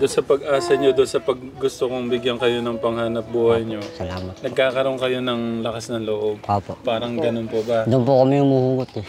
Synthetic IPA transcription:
d̪onsɐpɐɡ̚ʔaːsɐɲod̪onsɐpɐɡːʊst̪okoŋbɪɡjɐnkɐjo̞nɐŋpɐŋhanɐp̚buːhɐjɲo̞sɐlaːmɐt̪nɐɡ̚kaːkɐɾo̞oŋkɐjo̞nɐŋlɐkasnɐŋloʔo̞b̚opopaːɾɐŋɡɐno̞npobɐd̪onp̬ukɐmiʊŋmuhuɡot̪̚ɛ

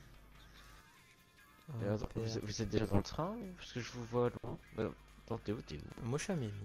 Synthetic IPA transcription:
d̪̰̃vuzɛvuzɛt̪̚d̪eʒat̪ɑ̃t̪χɛ̃paskəʒəvuvwad̪ɑ̃bɛ̰̃d̪̥ɑ̃d̪eot̪ḛnmɔʃamil

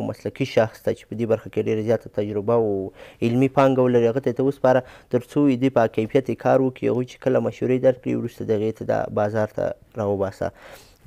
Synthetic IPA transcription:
mʔaslakiʃaxst̪at͡ʃe̥pəd̪ebaɾxakeɖeɾazjɑt̪at̪ad͡ʒɾɪbawɪlmipɑŋɡawəlaɾiaɣət̪aet̪awəspɑɾat̪əɾt͡soɪd̪əjpəkajfijat̪ekʰɑɾwəkiha̰ɣujt͡ʃe̥kəlamaʃhuɾed̪aɾ̚kɽḭwɾust̪ad̪əaɣet̪ʰad̪ɑ̰bɑzɑɾt̪ʰa̰ | ɾɑwəbɑsa̰

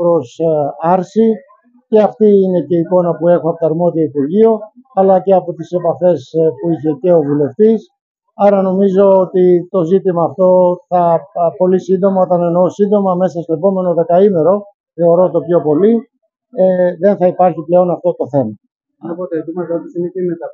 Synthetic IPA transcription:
pɾo̞sɐɾsi | ce̞ɐft̪iine̞ce̞iko̞nɐpue̞xoɐpot̪ɐɾmo̞ðiɐipuɾʝio | ɐlɐce̞ɐpo̞t̪ise̞pɐfe̞spuiçe̞ce̞o̞vule̞ft̪is | ɐɾɐno̞mizo̞ot̪it̪o̞zit̪imɐːft̪o̞θɐpo̞lisind̪o̞mɐot̪ɐne̞no̞sind̪o̞mɐme̞sɐst̪oe̞po̞me̞no̞ðe̞kɐime̞ɾo̞ | θe̞o̞ɾo̞t̪o̞pço̞po̞li | eðe̞nθɐipɐɾçiple̞o̞nɐft̪o̞t̪o̞θe̞mɐ | pot̪et̪mɐɐt̪isinetemet̪ɐ

